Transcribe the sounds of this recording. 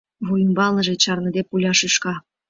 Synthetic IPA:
βujəmbɑlnɤ̆ʒet͡ɕɑrnɤ̆d̪epulʲɑʃeʃkɑ

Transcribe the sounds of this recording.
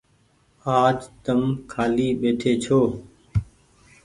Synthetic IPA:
aːd͡ʒt̪əmkʰaːliːɓeːʈʰeːt͡ʃʰoː

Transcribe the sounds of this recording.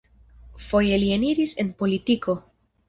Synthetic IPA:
fo̞je̞lieniɾise̞npo̞litiko̞

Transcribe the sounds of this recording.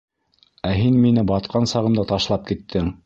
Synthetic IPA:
æɦinminɘbɑt̪̚qɑnsɑʁɤ̆md̪ɑt̪ɑʃlˠɑp̚kit̪ʰːɘŋ

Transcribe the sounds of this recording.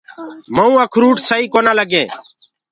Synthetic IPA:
məũːəkʰɾuːʈsəiːkoːnaːləɡeː

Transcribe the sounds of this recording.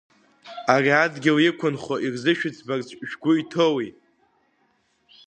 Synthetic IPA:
ariadɡʲɪlɪkʷʰʊnχoʔirzɨʃᶣɪt͡sʰbart͡sʷʰʼʒᶣɡʷʊitʰowi

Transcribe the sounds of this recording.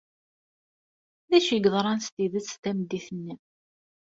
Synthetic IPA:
ðæʃəɡðˤɾˤɑnst̪iðət͡sːt̪æmd̪ːiθənːi

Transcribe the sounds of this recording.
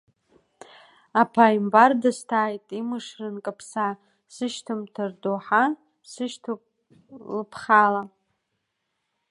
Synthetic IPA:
apʰaimbardastʰaːjtʼimɨʂrɨnkʼapʰsa | sɨʃtʰɨmtʰɨrdoħa | sɨʃtʰ | lɨpʰχala

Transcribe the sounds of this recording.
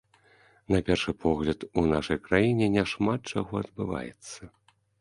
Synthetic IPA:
napʲɛrʂɨpʰɔɣlʲɐt̪unaʂɐjkɾajinʲɛnʲaʂmat̪̚t͡ʂaɣɔɐd̪̚bɨva̰jɛ̰t̪sːɐ

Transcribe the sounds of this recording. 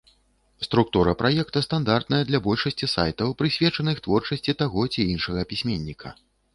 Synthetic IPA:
st̪ɾuk̚t̪uɾɐpɾajɛkt̪ɐst̪and̪art̪nɐjɐd̪lʲɐbɔlʲʂɐsʲt͡sʲisa̰jt̪ɐwpɾɨsʲvʲɛt͡ʂɐnɨxt̪vɔrt͡ʂɐsʲt͡sʲit̪aɣɔt͡sʲiinʂɐɣɐpʲisʲmʲenʲːikʰɐ̰

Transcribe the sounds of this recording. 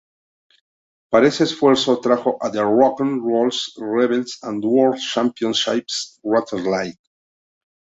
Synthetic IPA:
paɾeseesfweɾsot̪ɾaxoʔaðeɹɔkãnɹolsreβelsãnd̪woɾt͡ʃãmpjõnsʃipsɹat̪ʰeɾlajt̪̚

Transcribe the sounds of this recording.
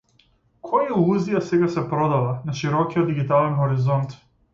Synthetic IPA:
kʰɔjalˠuzijasɛɡasɛpɾɔd̪alˠanaʃiɾɔkiɔd̪d̪iɡit̪alɛnxɔɾizɔnt̪

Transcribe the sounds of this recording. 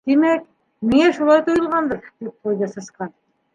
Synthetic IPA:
d̪̥emæk | mɪŋæʃulˠɑjd̪ojlˠʁɑnd̪ɤɾd̪̥ep̚qʰojd̪ɑsɑsqɑn

